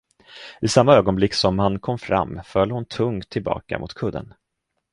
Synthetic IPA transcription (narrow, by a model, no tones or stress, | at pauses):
ɪsamːaøːɡɔnblɪkːsɔmhankʰɔmːfɾa̰mːfœlhʊnt̪ʰɵŋt̪ʰːɪlbɑ̰ːka̰mʔʊ̰t̪kʰɵd̪ːə̰n